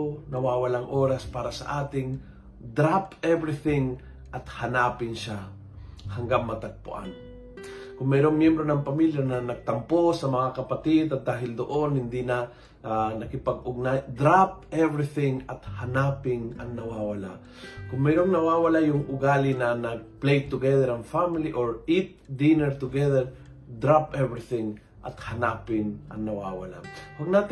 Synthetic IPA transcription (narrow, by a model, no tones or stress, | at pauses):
nɐwawɐlaŋʔoɾɐspaːɾɐsɐ̰ʔaːt̪ɪŋ | d̪ɾapɛvɾɪθɪŋ | ʔɐt̪hɐnaːpɪnʃa | hɐŋɡaŋmɐt̪ɐɡ̚pʊ̰ʔa̰n | kʊŋmɛːɾoŋmjɛmbɾo̞nɐŋpɐmiljanɐnɐɡ̚t̪ɐmposɐmɐŋakɐpɐt̪ɪd̪ɐt̪̚d̪aːɦɪld̪oʔonhɪnd̪inɐ | nɐkɪpɐɡʊɡ̚nad̪ɾap̚ɛvɾiθɪŋɐt̪hanapɪŋɐŋnɐwawala̰ | kʊŋmɛɾoŋnɐwawɐlajʊŋʊɡalinɐnɐɡ̚plejt̪ʊɡɛðɛɾanfamiliʔoɹit̪̚d̪inɛɹt̪ʊɡɛðɛɹ | d̪ɾapɛvɾɪθɪŋ | ʔɐ̰t̪hɐnapɪnʔɐŋnɐwawa̰la̰wɐɡ̚nat̪